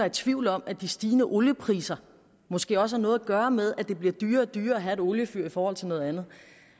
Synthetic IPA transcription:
ɑæt͡sʰʋiʊlɒ̽m̰æd̥isd̥iːnəʔoljəpʰʁḭːsɐ | mɔ̽sɡ̥e̝̰ːɒ̽səænɔ̽ːð̩ˠæɡ̥ɶːɐmeð̞ˠæd̥e̝b̥liɐd̥yːɐːd̥yːɐɒɦæe̝ɾ̥oljəfyɐ̰ifɒːhɒ̽l̰t͡sʰe̝nɔ̽ːðˠænð̞̩ˠ

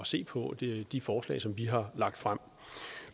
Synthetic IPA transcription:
ɒse̝̰ːpʰɒ̥̽d̥ifɒːslɛ̰ɪsɒ̽mʋiɦɑ̈lɑ̈ɡ̥̚d̥fʁam̰

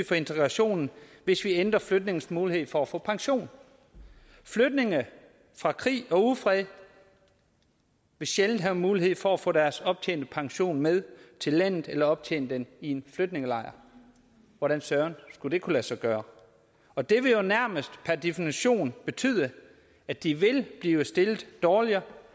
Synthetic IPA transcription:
fɒ̽e̝nt͡sʰeɡ̥ʁɑ̈ɕo̝̰ːnn̩ʋe̝sʋiend̥ʁɐflød̥ne̝ŋəsmuːlihe̝ð̞̰ˠfɒ̽æfɔ̰̽ːpʰɑ̈ŋɕo̝̰ːn | flød̥ne̝ŋə | fʁɑ̈kʰʁḭːɒ̽uðˠfʁɛðˠ | ʋe̝ɕeln̩ɦæʊmuːlihe̝ð̞̰ˠfɒ̽æfɔ̰̽ːɾ̥æɐsɒ̽b̥̚t͡sʰḛːnd̥əpʰɑ̈ŋɕo̝̰ːnmeð̞ˠt͡sʰe̝lːæn̰ð̩ˠelɐɒ̽b̥̚t͡sʰḛːnəd̥enie̝nflød̥ne̝ŋəlɑ̈ɪɐ | ʋɒɾ̥ænsɶːɐnsɡ̥ud̥e̝kʰulæsɑ̈ɪɡ̥ɶːɐ | ɒ̽d̥e̝ʋe̝jo̝næɐ̰məsd̥pʰæɐd̥efiniɕo̝̰ːnb̥e̝t͡sʰy̰ð̞̰ˠə | æ̥d̥iʋe̝lb̥liːʊəsd̥e̝lð̩ˠd̥ɒːliɐ

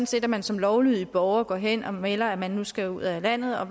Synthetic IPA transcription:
n̩se̝̰ːd̥æmænsɒ̽mlɒʊlyð̰ˠib̥ɒʊɐɡ̥ɒ̰ɦen̰ɒ̽melɐæmænːusɡ̥æuð̰ˠælæn̰ð̩ˠɒ̽

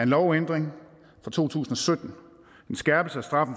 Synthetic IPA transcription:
ɐenlɒʊend̥ʁeŋ | fʁɑ̈t͡sʰo̝̰ːt͡sʰṵːsn̩ɒ̽sød̥n̩̥ | ensɡ̥ɛɐb̥əsəæsd̥ʁɑ̈fn̩

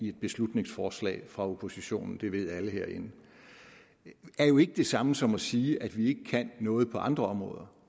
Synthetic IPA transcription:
ie̝d̥̚b̥e̝slud̥ne̝ŋsfɒːslɛ̰ːɪfʁɑ̈opʰo̝siɕo̝̰ːnn̩d̥e̝ʋe̝ð̞̰ˠæləheɐ̰e̝n̩ | æɐjo̝e̝ɡ̥əd̥e̝sɑ̈məsɒ̽mɒ̽siːʔæd̥ʋie̝ɡ̥əkʰæn̰ːɔ̽ːð̩ˠpʰɒ̽ʔɑ̈nd̥ʁɐɒ̽mʁɔ̰̽ːðˠɐ

